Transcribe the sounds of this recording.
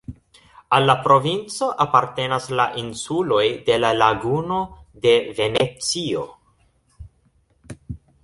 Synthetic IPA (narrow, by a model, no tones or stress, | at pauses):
alːapɾo̞vint͡so̞ʔapaɾte̞naslaʔinsulo̞jde̞lalaɡuno̞de̞ve̞ne̞t͡sio̞